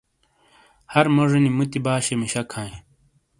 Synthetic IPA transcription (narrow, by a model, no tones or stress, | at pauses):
hɐɾmoʐɐnimut̪ibaːɕemiɕɐkʰãːĩ